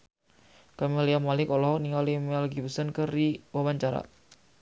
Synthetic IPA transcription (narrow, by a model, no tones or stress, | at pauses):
kamiliamalɪkɔlɔɦɔk̚niŋalimalɡipəsənkəriwawaɲt͡ʃaɾa̰